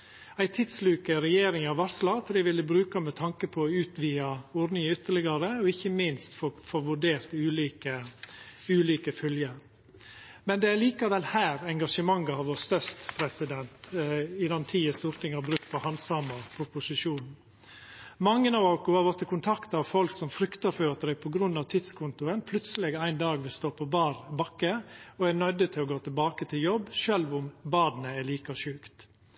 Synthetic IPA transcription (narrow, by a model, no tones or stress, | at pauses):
æɪt̪ʰɪd̪slʉːkəɾɛjeːɾɪŋɑʋɑslɑt̪ʰd̪ɪʋɪlːəbɾʉːkɑmɛt̪ʰɑŋkəpʰɔʉːt̪ʋiːɑoːɾɖnɪŋʏt̪ːəɭɪɡɑɾəɔɪçːəmɪnst̪ffoʋʉɖeːɾt̪ʉːliːkə | ʉːliːkəfœljəɾ | mɛnd̪ɛæɭiːkɑʋɛlhæːɾɛŋɡɑʂəmɑŋːɑɑʋʋoːɾst̪œst̪pʰɾɛsɪd̪ɛnt̪ɪd̪ɑnt̪ʰiːəst̪uːɾt̪ɪŋhɑɾbɾʉk̚t̪̚pʰɔhɑnsɑmɑpʰʊpʊsɪʂuːnn̩ | mɑŋːənɑʋoːkʊɑɾʋɔt̪ʰːəkʊnt̪ʰɑkt̪ɑʋfɔlksɔmfɾʏkt̪ɑɾføːɾɑt̪d̪æpʰɔɡɾʉnːɑʋt̪ʰɪd̪skʰʊnt̪ʊənpʰlʉt̪səlɛɡæɪnd̪ɑːɡʋɪlst̪oːpʰɔbɑːɾbɑkːəɔænœd̪ət̪ʰɪlɔɡoːt̪ʰɪlbɑːkət̪ʰɪljɔbʃøːlʋʊmbɑːd̪nəæliːkɑʃʉːkt̪